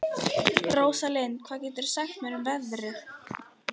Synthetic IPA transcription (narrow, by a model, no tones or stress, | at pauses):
roːwsalenkʰv̥aːðcɛːt̪ɪɾ̥saxt̪mɛnʏmvɛðɾɪ